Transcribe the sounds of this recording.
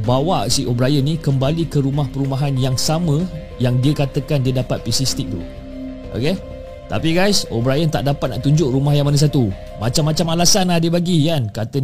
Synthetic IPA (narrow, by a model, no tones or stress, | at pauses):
bawaʔsiʔobɾajənĩkəmbalikəɾumahpəɾumaɦanjaŋsamə̃ | jaŋdiəkat̪əkandiədapat̪̚pisist̪ik̚t̪ṵ | ʔo̰ke | t̪a̰piɡajsobɾajənt̪a̰ʔdapat̪̚na̰ʔt̪uɲd͡ʒʊʔɾumahjaŋmanas̬at̪u | mat͡ʃamːat͡ʃamalasanadəbaɡijankat̪ə